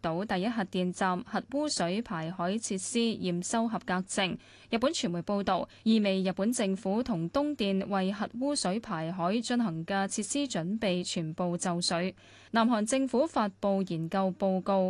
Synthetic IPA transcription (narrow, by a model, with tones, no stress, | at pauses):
t̪o˨˥wt̪ɐ˨jɐ˥t̚ɦɐ˨t̚t̪iː˨nt͡saː˨mhɐ˨t̚wuː˥sɵ˨˥ɥpʰaː˨˩jɦɔː˨˥jt͡sʰiː˧t̚siː˥jiː˨msɐ˥wɦɐ˨p̚kaː˧k̚t͡sɪ˧ŋ | jɐ˨t̚pːuː˨˥nt͡ʃʰyː˨˩nmu˨˩jpo˧wt̪o˨w | jiː˨˩me˨˩jjɐ˨t̚pːuː˨˥nt͡sɪ˧ŋfuː˨˥t̪ʰʊ˨˩ŋt̪ʊ˥ŋt̪iː˨nwɐ˨jɦɐ˨t̚wuː˥sɵ˨˥ɥpʰaː˨˩jɦɔː˨˥jt͡ʃɵ˧nɦɐ˨˩ŋkɛ˧t͡sʰiː˧˥t̚siː˥t͡ʃɵ˨˥npe˨jt͡ʃʰyː˨˩npo˨wt͡sɐ˨˧wsɵ˨˥ɥ | naː˨˩mɦɔː˨˩ŋt͡sɪ˧ŋfuː˨˥faː˧t̚po˨˧wjiː˨˩nkɐ˧wpo˧wko˧w